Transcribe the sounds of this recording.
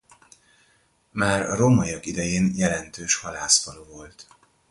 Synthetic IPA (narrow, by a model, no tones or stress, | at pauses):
maːrɒ̰romɒjɒkid̪ɛjeːnjɛlɛnt̪øːʃhɒlaːsfɒlovo̞lt̪